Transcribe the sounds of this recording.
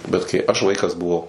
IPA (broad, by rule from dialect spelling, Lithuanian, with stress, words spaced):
bʲɛt kɐɪ ɐʃ ˈʋɐɪkɐs bʊˈʋɐʊ